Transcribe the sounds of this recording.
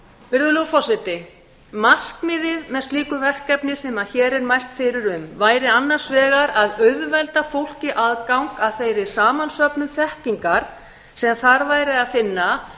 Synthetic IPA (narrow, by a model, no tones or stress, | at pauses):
vɪɾðʏlowfɔsɛt̪ɪ | mal̥kmɪðɪðmɛðst̪iːkʏvɛr̥kɛpnɪsɛmaðçɛːɾɛɾmajl̥t̪fɪɾɪɾʏmvaːjɾɪanːan̥svɛːɣaɾaðœðvɛlt̪afowl̥cɪʔaðkawŋkaðθejɾɪ̥saːmansœpnʏmθɛhciŋkaɾ̥ | sɛmθaɾvaːjɾɪðaðfɪnːa